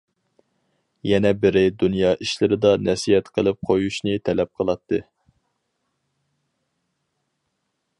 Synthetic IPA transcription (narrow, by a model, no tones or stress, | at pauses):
jɛnɛbɪɾɪd̪unjɑːʔiʃlɪɾɪd̪ɑnɛsiɛt̪qʰəlˠɪp̚qʰojuʃnɨt̪ʰɛlɛp̚qʰəlˠɑt̪ʰːɨ